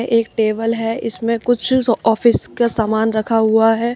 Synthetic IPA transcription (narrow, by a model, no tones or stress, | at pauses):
ʔeːkʈeːbəlɦɛɪsmẽkʊt͡ʃʰɔːfɪskasaːmaːnɾɐkʰaɦuaɦɛː